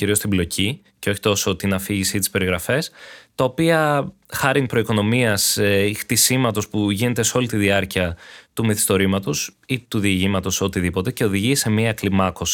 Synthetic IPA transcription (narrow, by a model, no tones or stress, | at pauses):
ciɾiost̪iblo̞cʰi | ceo̞çi̥t̪o̞so̞t̪inɐfiʝisit̪i̥spe̞ɾiɣɾɐfe̞st̪ɐo̞piɐxɐɾiŋpɾo̞iko̞no̞miɐsext̪isimɐt̪o̞spuʝine̞t̪e̞seo̞lit̪iðiɐɾciɐt̪umeθi̥st̪o̞ɾimɐt̪o̞sit̪uðiʝimɐt̪o̞so̞t̪iðipo̞t̪e̞ce̞o̞ðiʝise̞miɐklimɐko̞si̥